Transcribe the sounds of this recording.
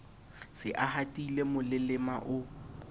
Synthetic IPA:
sɪʔahatʼilemʊlɪlɪmaʔʊ

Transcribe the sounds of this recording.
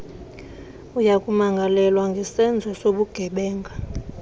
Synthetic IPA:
ujakʼumaŋɡʱalɛlwaŋɡʱɛsɛnd͡zʱɔsoɓuɡ̥ʱɛɓɛːŋɡʱa

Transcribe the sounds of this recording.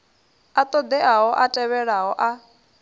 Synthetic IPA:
at̪ʼɔd̪ɛʔaɦɔʔatʼɛβɛɺaɦɔʔa

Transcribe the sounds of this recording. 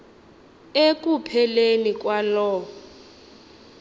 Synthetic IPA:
ek̬ʼupʰɛlenik̬ʼwalɔː

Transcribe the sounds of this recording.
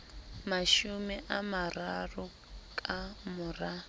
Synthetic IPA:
maʃumiʔamararʊ | kʼamʊra

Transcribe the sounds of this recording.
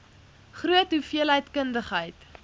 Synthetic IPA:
χruətɦufiəlɦəjtkəndəχɦəjt

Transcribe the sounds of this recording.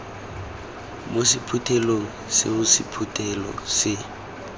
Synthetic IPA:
mosɪpʰutʰʼɛloŋ̩sɪ̰mʊsipʰutʰʼɛlɔ̰sɪ

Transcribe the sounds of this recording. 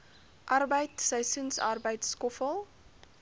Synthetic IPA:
ʔɐrbəjtsəjsunsɐ̰rbəjtskɔfəlˠ

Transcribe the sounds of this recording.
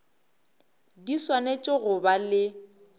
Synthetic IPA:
diswanet͡ʃʼɪɣʊbalɪ

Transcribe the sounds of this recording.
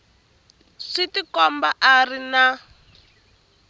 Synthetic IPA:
ʂitikɔmbaʔarina

